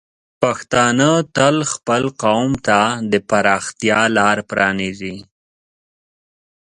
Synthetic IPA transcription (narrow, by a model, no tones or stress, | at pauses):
paxt̪ɑnət̪əlxpəlqawmt̪ad̪əpaɾɑxt̪jɑlɑɾpɾɑnizi